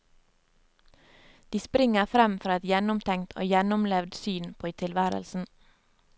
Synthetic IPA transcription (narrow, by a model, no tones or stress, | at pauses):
d̪̥iːspɾɪŋəfɾɛmfɾɑːɛt̪jɛnʊmt̪ʰɛŋt̪ʰo̰ːjɛnʊmlɛʋd̪syːnpʰoːit̪ʰɪlʋæːɾə̰lsn̩